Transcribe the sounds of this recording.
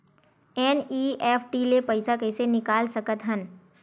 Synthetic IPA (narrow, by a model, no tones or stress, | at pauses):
ɛːniːɛːfʰʈilepɐɪsakɛːsenɪkaːlsɐkət̪ɦən